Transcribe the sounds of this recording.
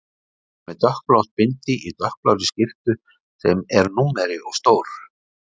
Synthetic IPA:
mɛðt̪œhkplawt̪̚pɪnt̪ɪʔit̪œhk̚plawt̪ɪscɪft̪ʏ | sɛmɛɾnuːmɛɾɪʔɔɣst̪oːwɾ

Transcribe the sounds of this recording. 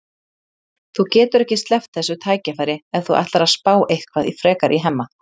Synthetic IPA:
θucɛːt̪ʏɾɛhcɪst̪lɛft̪̚θɛsːʏt̪ʰaːjcafajɾɪɛðθuʔa̰ht̪laɾaðspaːwʔejhkʰvaðifɾɛːkaɾʔiɦɛmːa

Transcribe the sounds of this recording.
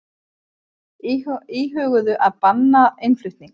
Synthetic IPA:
iːɦœːɣʏðʏʔaðpanːaejnflʏɥht̪niŋk

